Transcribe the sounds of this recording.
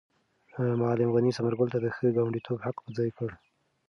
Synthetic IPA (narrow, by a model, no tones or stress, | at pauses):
mɑlɪmɣanisamaɾɡʊlt̪ad̪əxəɡɑwaɳɖit̪ʰobhaqpəd͡zɑjkəɽ